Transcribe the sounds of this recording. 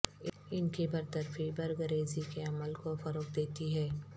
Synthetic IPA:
ɪnkibɐɾt̪əɾfibɐɾɡəɾeːzikeɐməlkofɐɾoːk̚d̪eːt̪iɦɛː

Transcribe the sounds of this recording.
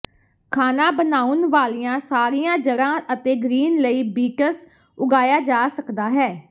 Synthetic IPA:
kʰaːnaːbənaːʊnʋaːlijãːsaːɾijãːd͡ʒəɽãːət̪eːɡɾiːnləiːbiːkəs | ʊɡaːjaːd͡ʒaːsəkd̪aːɦɛː

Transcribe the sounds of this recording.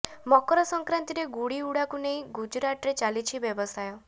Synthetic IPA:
mɔkɾɔsɔŋkɾant̪iɾeɡuɽiuɽakuneĩɡud͡ʒɾaʈɾet͡ʃalit͡ʃʰibjɔbɔsajɔ

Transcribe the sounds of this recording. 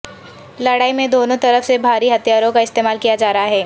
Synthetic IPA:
lɐɽaːimẽd̪oːnõt̪ɐɾəfsebʱaːɾiɦɐt̪ijaːɾõkaɪst̪eːmaːlkijad͡ʒaːɾɐɦaɦɛː

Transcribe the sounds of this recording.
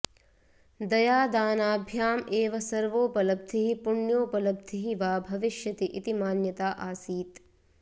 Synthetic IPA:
d̪ɐjaːd̪aːnaːbʱjaːmeːʋɐsɐɾʋoːpɐlɐb̚d̪ʰʱiɦipuɳjoːpɐlɐb̚d̪ʰʱiɦiʋaːbʱɐʋiʃjɐt̪iʔit̪imaːnjɐt̪aːʔaːsiːt̪

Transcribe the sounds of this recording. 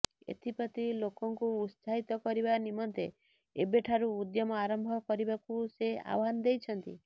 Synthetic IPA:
ḛt̪ʰipɔt̪ilokɔŋkuːt̪saɦit̪ɔkɔɾibanimɔnt̪e | ebeʈʰaɾuːd̪jɔmɔaɾɔmbʱɔkɔɾibakusea̰wɔɦanɔd̪ejt͡ʃʰɔnt̪ḭ

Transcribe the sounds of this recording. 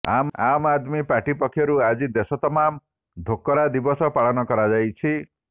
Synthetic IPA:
a̰mamad̪mipaʈipɔkʰːjɔɾuad͡ʒid̪esɔt̪ɔmam | d̪ʱokːɔɾad̪ibɔsɔpaɭɔnɔkɔɾad͡ʒajt͡ʃʰi

